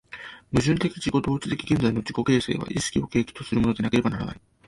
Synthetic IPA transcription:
mɯ̟ʑɨ̃nt̪e̞kʲid͡ʑiko̞d̪o̞ːt͡sɨ̥t̪e̞kʲiɡʲẽnd͡zaino̞d͡ʑiko̞ke̞ːse̞̰ːβa̰ʔisɨ̥kʲio̞ke̞ːkʲi̥t̪o̞sɨɾɯ̟mood̪e̞nake̞ɾe̞banaɾa̰na̰i

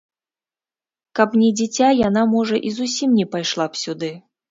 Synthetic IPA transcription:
kɐpnʲɛd͡zʲit͡sʲajanamɔʐɐʔizusʲimnʲɛpajʂlˠapsʲud̪ɨ

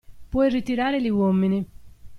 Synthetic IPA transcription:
pwɔjrit̪iɾaːɾeliwɔmːini

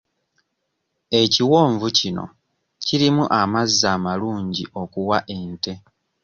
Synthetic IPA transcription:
e̞ciwoːɱvucino̞̰ | ciɾimuʔamazːaːmaluːɲɟiʔo̞kuwaʔe̞nte̞

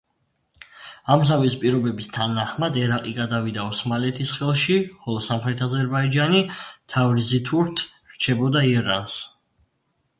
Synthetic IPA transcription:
amzavispʼiɾɔbɛbist̪ʰanaχmad̪ɛɾaqʼiɡad̪avid̪aɔsmalɛt̪ʰisχɛlˠʃiχɔlˠɔsamχɾɛt̪ʰazɛɾbaid͡ʒanit̪ʰavlizit̪ʰuɾt̪ʰ | ɾt͡ʃʰɛbɔd̪aiɛɾans

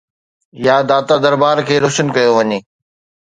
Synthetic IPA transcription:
jaːd̪aːt̪ad̪ɐɾbaːɾkʰeːɾoːʃənkɐjoʋɐɲeː

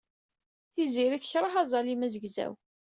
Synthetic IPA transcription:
θiziɾiθçɾˤəħɑzˤɑlimæzəɡzæ̰w

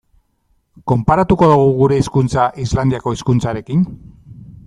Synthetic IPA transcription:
ko̞mpaɾat̪uko̞ðuɣ̞uɣuɾe̞iskunt͡saʔizland̪iako̞iskunt͡saɾe̞kin

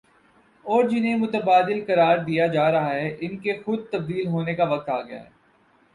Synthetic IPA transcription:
ɔːɾd͡ʒɪnɦemʊt̪əbaːd̪ɪlkɐɾaːɾd̪ijad͡ʒaːɾɐɦaɦɛʔɪnkexʊd̪̚t̪ɐb̚d̪iːlɦoːnekaʋɐk̚t̪aːɡɐja̰ɦɛ̰ː

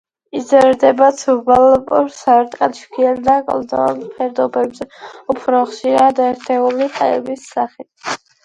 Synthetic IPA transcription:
id̪zɛɾd̪ɛbat̪sʰubalpʼɔɾsaɾt̪ʼqʼat͡ʃʰkʰiɛnd̪akʼɔlˠd̪ɔnpʰɛɾd̪ɔbɛbzɛupʰɾɔχʃiɾad̪ɛɾt̪ʰɛuliq̪ʼaɛ̰bisːaχit̪̚ʰ

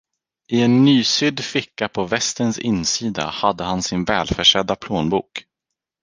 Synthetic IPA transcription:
ɪɛnːyːsʏd̪ːfɪkːapʰɔvɛst̪ənsɪ̰nsiːd̪a̰had̪ːəhansɪnvɛːlfœʂɛd̪ːapʰloːnbuːk

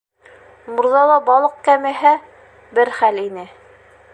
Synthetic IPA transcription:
muɾðɑlˠɑbɑlˠɤq̚kæmɘ̆ɦæ | bɘɾχælinɘ

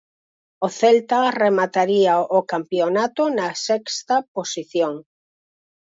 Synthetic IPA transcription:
oθɛlt̪ɐremat̪aɾiaokampjonat̪onɐsɛkst̪ɐposiθjoŋ

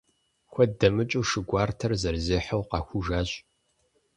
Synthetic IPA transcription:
xʷɔdɐmɨt͡ʃʼuːʂɨɡʷɑːrtʰɐrzɐrzeːħəwqɑxʷuʒaːɕʼ

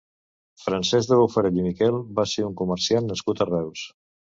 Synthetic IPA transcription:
fɾənsɛzðəβufəɾelimikɛlˠbaseuŋkuməɾsianːəskut̪ərɛws

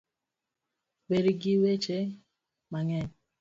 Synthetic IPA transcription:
beɾiɡiwet͡ʃe | maŋɛɲ

